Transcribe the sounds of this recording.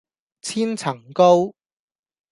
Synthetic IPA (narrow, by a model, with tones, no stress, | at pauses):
t͡sʰiː˥nt͡sʰɐ˨˩ŋko˥w